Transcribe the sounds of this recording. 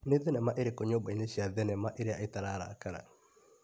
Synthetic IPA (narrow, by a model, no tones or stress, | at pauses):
neðɛnɛmaʔeɾekoɲobaineɕiaðɛnɛmaʔeɾeaetaɾaːɾa̰ːkaɾa̰